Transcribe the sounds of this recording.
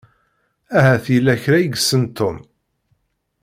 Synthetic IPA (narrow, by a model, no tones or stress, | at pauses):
æɦæθilːæçɾæjəɡsːənt̪ːʊm